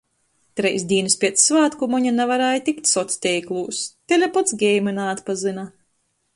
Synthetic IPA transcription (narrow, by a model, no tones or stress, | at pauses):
t̪ɾɛjsd̪ʲiːnɨspʲiɛt̪ssvaːt̪kumɔɲanɛvaɾajt̪ʲikt̪ʲsɔt̪sʲt̪ʲɛjklˠuːst̪ɛlʲapɔt̪sɡʲɛjmɨnaːt̪pazɨna